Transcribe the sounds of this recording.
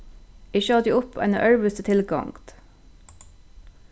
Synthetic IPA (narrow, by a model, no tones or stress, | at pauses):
ɪçəɑd̪iːʊpʰæ̰ɪnə̰ʔœɹʋəst̪ət̪ʰɪlɡɑ̰ŋt̪